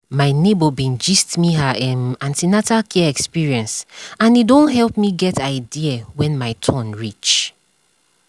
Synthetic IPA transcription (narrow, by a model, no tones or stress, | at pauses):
maɪnebɔbĩnd͡ʒistmiɦaɛmãntinatalkʰɛɛkspiɹiɛ̃nsãnidõnɦɛlpmiɡɛtaɪdiawɛ̃nmaɪtʰɔ̃nɹit͡ʃ